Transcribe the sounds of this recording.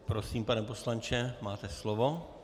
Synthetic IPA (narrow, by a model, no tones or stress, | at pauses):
pɾosiːmpanɛmposlant͡ʃɛmaːt̪ɛslovo